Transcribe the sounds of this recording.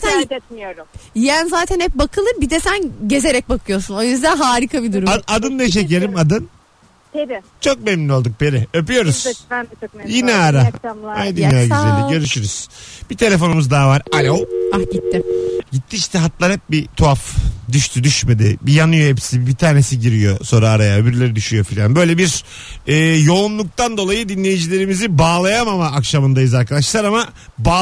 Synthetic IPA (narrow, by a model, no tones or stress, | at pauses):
at̪ʰænmioɾjænzaːt̪ʰænhɛp̚bakʰɯlˠɯɾbid̪ɛsænɟe̞ze̞ɾɛc̚bakʰɯjo̞ɾsuno̞jyzd̪ænɦaːɾikʰabid̪uɾuad̪ɯnd̪ajʃ̬eieɾʲimad̪ɯn | t͡ʃʰo̞k̚memnino̞lˠd̪uk̚beɾɪøpyjo̞ɾuz̥ | jinɛaɾaajd̪ynjaɟyzælʲd̪iɟø̞ɾyʃyɾyz̥b̥it̪ʰe̞lʲe̞fo̞numuzd̪aːvaɾalʲowɟit̪ːɪɟit̪ʰːiiʃt̪ʰɛɦat̪lˠaɾhɛp̚bit̪ʰuafd̪yʃt̪ʰyd̪yʃme̞d̪ɪbijanɯjo̞ɦepsibit̪ʰaːnesiɟiɾijo̞so̞ɾaːɾajaøbyɾlʲe̞ɾid̪yʃyjo̞filʲanbø̞jlʲebiɾ | ɛːjo̞unlˠuk̚t̪and̪o̞lˠajɯd̪inlʲe̞jid͡ʒilʲe̞ɾimizibaːlˠajamamaːkʃamɯnd̪ajɯzaɾkad̪aʃlˠaɾamabaː